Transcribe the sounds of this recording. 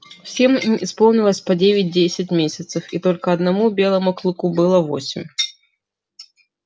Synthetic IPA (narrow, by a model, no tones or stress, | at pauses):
fsʲemispo̞lˠnʲɪlˠəsʲpɐdʲevʲɪt̚ʲdʲesʲɪtʲmʲesʲɐt̪səfit̪o̞lʲkəɐd̪nɐmubʲe̞lˠəmʊklˠukubɨlˠəvosʲɪmʲ